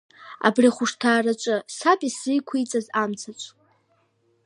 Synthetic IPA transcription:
a̰briχʷʊʂtʰaːrat͡ʃʷʼɨsapʼisrɨjkʷʰijt͡sʼazamt͡sʰat͡ʃʷʰʼ

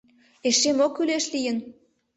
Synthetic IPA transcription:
eʃemokːyleʃlijən

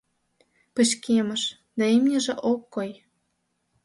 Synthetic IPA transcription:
pə̆ʃkʰemə̆ʃ | d̪ɑemnʲəʒĕʔokːoj

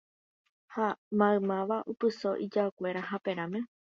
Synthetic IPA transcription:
hamãɨ̃mãʋaʔupɨso̞ʔid͡ʒaokʷe̞ɾaɦapẽ̞ɾãmẽ̞

